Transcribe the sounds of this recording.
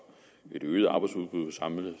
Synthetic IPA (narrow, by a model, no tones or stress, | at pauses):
e̝d̥øːð̩ˠɑ̈ːb̥ɑ̈ɪdsuðˠb̥ʁuðˠʋesɑ̈mlə